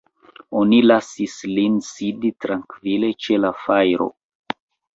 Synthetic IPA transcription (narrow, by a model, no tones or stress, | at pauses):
o̞nilasislinsiditɾaŋkvile̞t͡ʃe̞lafajɾo̞̰